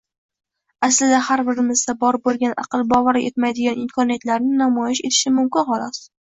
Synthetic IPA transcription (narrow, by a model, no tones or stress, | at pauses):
aslɪd̪ahaɾbɪɾɪmɪzsabɒɾbolˠɡʲanʔɑ̰qɨlˠbɒvaɾɪʔe̞t̪majd̪ɪɡʲanɪmkʰɒnijat̪laɾnɪnamɒjɪʃe̞t̪ʰɪ̥ʃɪmʊmkʲɪnqɒlˠɒs